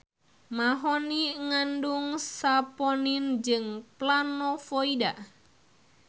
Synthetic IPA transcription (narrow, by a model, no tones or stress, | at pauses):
maɦɔniŋanduŋsapɔnind͡ʒɨŋplanɔfɔida